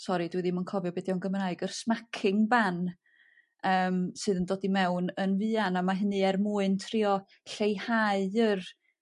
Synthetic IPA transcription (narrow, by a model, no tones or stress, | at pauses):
sɔɾidwɛðimənkʰɔvjɔbɛdjɔnɡəmraɨɡərsmakʰɪŋban | əːmsɨːðəndoːdimɛwnənvɨanamaɦɪnɨɛrmuːɨntʰriːɔ | ɬejhaɨər